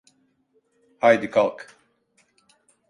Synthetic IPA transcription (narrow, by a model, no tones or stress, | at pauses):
hajd̪ɨkʰalˠk